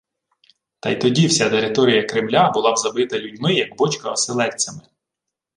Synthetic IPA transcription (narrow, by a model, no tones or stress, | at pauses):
t̪ɑjt̪ɔdʲiwsʲat̪eɾɪt̪ɔɾʲijɐkɾɪmlʲabʊlˠɑwzɐbɪt̪ɐlʲudʲmɪjɐɡbɔt͡ʃkɐɔselˠɛt͡sʲːɐmɪ